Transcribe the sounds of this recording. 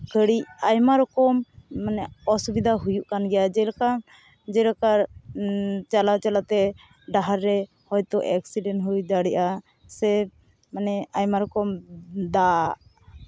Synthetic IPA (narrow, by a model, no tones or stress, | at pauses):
kəɽicajmaɾɔkɔmːanɛɔsubid̪ʱaɦujuʔkanɡɛjad͡ʒɛɾakam | d͡ʒɛɾakaɾ | t͡ʃalat͡ʃalat̪ɛ | ɖaɦaɾːɛ | hɔjt̪ɔʔɛksiɖɛnɦujd̪aɽɛʔa | sɛ | manɛajmaɾɔkɔmd̪aʔ